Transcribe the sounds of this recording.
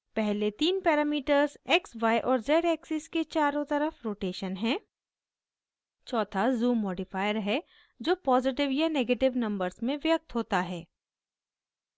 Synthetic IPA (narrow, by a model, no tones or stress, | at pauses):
pɛɦlet̪iːnpɛːɾaːmiːʈəɾzɛksʋaːjʔɔːɾzɛːɖɛːksɪsket͡ʃaːɾõt̪ɐɾəfɾoːʈeːʃənɦɛ̃ː | t͡ʃɔːt̪ʰazuːmːɔːɖɪfaːjəɾɦɛ | d͡ʒoːpɔːzɪʈɪʋjaneːɡeːʈɪʋnɐ̃mbəɾzmẽʋjɐk̚t̪ɦoːt̪aɦɛː